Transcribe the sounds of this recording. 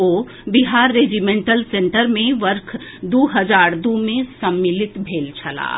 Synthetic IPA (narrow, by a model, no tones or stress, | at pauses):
oː | biɦaːɾːed͡ʒimẽːɳʈəlsẽɳʈəɾmẽʋəɾkʰd̪uːɦəd͡ʒaːɾd̪umẽsəmːilɪt̪bʱeːlt͡ʃʰɐla̰ː